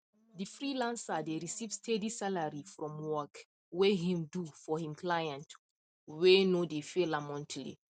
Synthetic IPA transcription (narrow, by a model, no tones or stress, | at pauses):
difɹilãnsadeɹisivstʰedisalaɹifɹɔ̃mwɔk | weɦĩmdufɔhĩmklajãnt | wenodefelamɔ̃ntʰlḭ